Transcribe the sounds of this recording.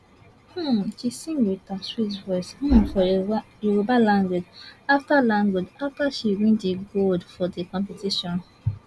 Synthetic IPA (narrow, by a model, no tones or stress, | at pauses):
h̩t͡ʃisĩmwitaswitvɔɪsh̩fɔ | iwobalãŋɡwed͡ʒaftalãŋɡwed͡ʒaftaʃiwĩndiɡoldfɔdekɔ̃mpetiʃɔ̃n